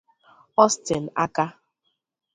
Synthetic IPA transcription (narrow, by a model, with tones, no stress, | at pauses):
ɔ˦stɪ˨n˨a˦ka˦